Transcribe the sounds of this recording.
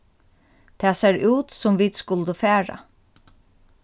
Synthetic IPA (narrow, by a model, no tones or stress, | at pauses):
t̪ʰɛːseːɹʉːt̪sʊmʋiːd̪skʊld̪əfæːɹa̰